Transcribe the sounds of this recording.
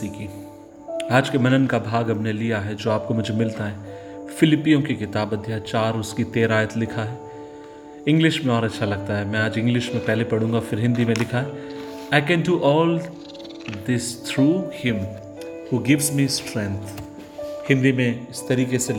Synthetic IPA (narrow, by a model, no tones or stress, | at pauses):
iːki | aːd͡ʒkemɐnənkabʱaːɡɐmnelijaɦɛd͡ʒoːaːp̚komʊd͡ʒʱemɪlt̪aɦɛː | fɪlɪpijõkikɪt̪aːbɐd̪ʱːjat͡ʃaːɾʊskit̪eːɾaːjət̪lɪkʰaɦɛː | ɪ̃ŋɡlɪʃmẽɔːɾɐtːʃʰalɐɡ̚t̪aɦɛmɛ̃aːd͡ʒɪ̃ŋɡlɪʃmẽpɛɦlepɐɽ̤ũːŋɡafɪɾɦɪ̃nd̪imẽlɪkʰaɦɛ | aɪkɛ̃nɖuʔɔːl | d̪ɪst̪ʰɾuːhɪ̃m | huːɡɪʋzmisʈɾɛ̃ŋt̪ʰ | hɪ̃nd̪imẽɪst̪ɐɾiːkese